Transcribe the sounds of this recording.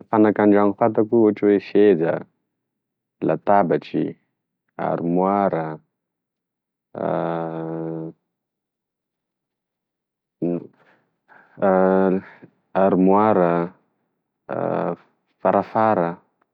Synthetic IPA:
fanakaɳɖ͡ʐaŋufat̪akuuʈ͡ʂweʃezə̰ | lat̪abaʈ͡ʂḭ | a̰ɾimwaɾə | aɾimwaɾə | faɾafaɾə

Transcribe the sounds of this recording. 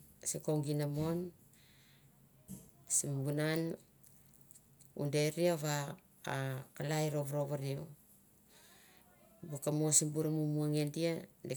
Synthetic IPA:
sikoŋɡinamon | simbunan | ṵndeɾiaβaː | kalajɾoβuɾoβaɾio | bukamosimbuɾamumuaŋendiade

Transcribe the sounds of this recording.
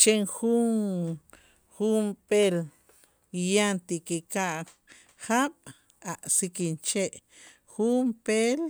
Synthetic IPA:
t͡ʃeŋxun | xumpel | jant̪ikekaʔ | xaɓ̥ | aʔsikint͡ʃeʔ | xumpel

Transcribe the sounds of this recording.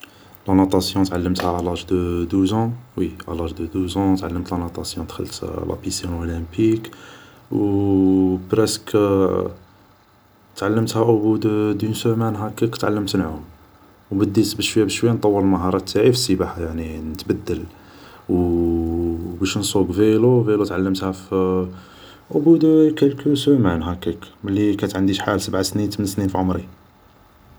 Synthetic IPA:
lɑnut̪ˤɑsjɔ̃t̪ʕalːəmt̪hæʔlɑʒd̪əd̪uzɑ̃wiʔɑ̰lɑʒd̪əd̪uzɑ̃t̪ʕalːəmt̪lɑnot̪ˤɑsjɔ̃d̪xə̰lːt̪lʔæ̰pisænʔolæmpik | w | bɾæsk | t̪ʕalːəmt̪hæʔʊbud̪d̪unsəmænɦækːækə̥t̪ʕalːəmt̪nʕum | wbəd̪ːisbəʃwəjːæbəʃwəjant̪ˤːɑwːəɾlməɦɑɾˤɑt̪ːaʕifsibaħjaʕninət̪bəd̪ːəl | w | bæʃnsˤuɡvelovelut̪ʕalːəmt̪hæf | ʔʊbud̪kælkunsumænɦækækməlːikæt̪ʕənd̪iʃħalsəbʕasnint̪əmənsninfʕʊmɾi

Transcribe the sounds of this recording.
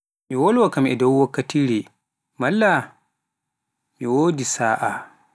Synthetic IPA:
miwɔlwakamʔɛdawːɐkːatiːɾɛ | malːa | miwoːdisaːʔa

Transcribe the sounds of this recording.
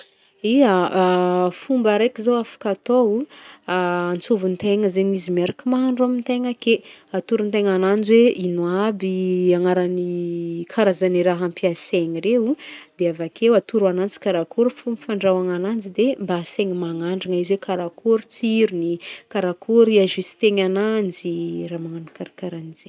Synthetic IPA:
ia | fumbaɾekizowafḁkat̪ou | ant͡suvunt̪eŋəzeɲizimaɾakimaɦɳɖ͡ʐuamint̪eŋəkeat̪uɾunt̪eŋanand͡zweʔinuabiaŋaɾanikʰaɾazaniɾaɦampiaseɲiɾeud̪̥eavakewat̪uɾanant͡si̥kaɾakuɾufumfaɳɖ͡ʐawaŋanand͡zid̪embaːseŋimaŋaɳɖ͡ʐaŋaiziwekaɾakʰuɾut͡siɾunikaɾakʰuɾiaʒisi̥t̪eŋanand͡ziramaŋanikaɾakaɾanize

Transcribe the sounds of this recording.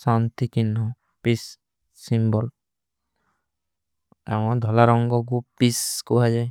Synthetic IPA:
sant̪ikinɦɔ | pisː | imbɔl | a̰wɔd̪ʱɔlaɾɔŋɡɔɡ̬upiskuɦad͡ʒaj

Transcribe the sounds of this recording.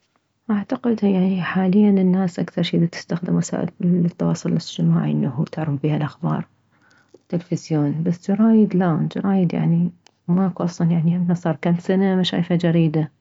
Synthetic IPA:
ʔaʕt̪aqɪd̪jaʕniħaːlɪjːanɪnːaːsʔakθɑɾˤʃiːd̪it̪ɪ̥st̪axd̪ɪmwasa̰ːʔɪ̰lt̪ːɑwɑ̰ːsˤʊlɪlɪd͡ʒt̪ɪmaːʕiʔɪnːaɦṵt̪ɪʕɾˤɪfbiːhalʔaxbɑ̰ːɾˤ | t̪ːɪlfɪzjoːnbasd͡ʒɪɾˤɑːjɪd̪lad͡ʒɑ̰ɾˤɑːjɪd̪ja̰ʕni | makuʔɑsˤlɑnjaʕniʔɪmːasˤɑːɾˤkaːnt̪sanamaʃa̰ːfad͡ʒaɾiːd̪a

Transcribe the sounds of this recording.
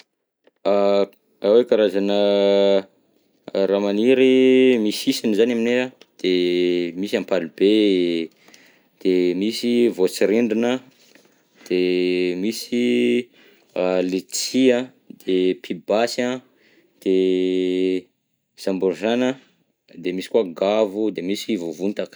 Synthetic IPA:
a | awekaɾazanə | ɾamaniɾimisisinzanaminead̪̥emisampalibe | d̪̥emisivot͡siɾeɳɖ͡ʐinə | d̪̥emisi | let͡sia | d̪̥epʰibasa | d̪̥e | z̥ambuɾzanə | d̪emisi̥kuaɡavud̪emisivovunt̪ak

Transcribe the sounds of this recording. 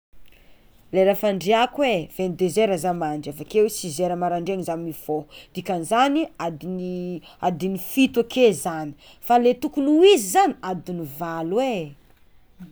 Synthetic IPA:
leɾafaɳɖ͡ʐeakwev̥enid̪ezeɾazamaɳɖ͡ʐafakewesizeɾəmaɾaɳɖ͡ʐeŋizamiv̥od̪̥ikanzaniad̪iniad̪inifit̪akezani̥ | falet̪ukunuizizaniad̪inivalwe

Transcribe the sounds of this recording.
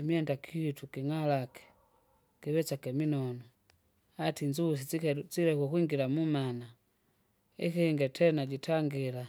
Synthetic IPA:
imiɛndakʰihitukiŋalakɛ̥ | kiβɛt͡ʃakɛminɔnɔ | atiɲd͡ʒus̬it͡ʃilɛkukwiŋɡilamumana | ḭkiŋɡɛtɛnaɟitʰaŋɡila

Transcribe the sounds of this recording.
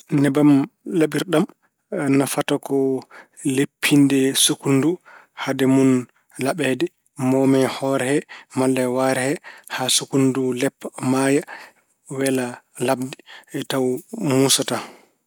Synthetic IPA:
nɛbamlaɓiɾɗam | nafatakɔ | lepʰːindɛsukunduhadɛmun | laɓɛdɛ | mɔmɛhɔɾɛhɛmalːɛwaɾɛhɛhasukundulɛpːmaja | wɛla | lab̚diɛtawmusata

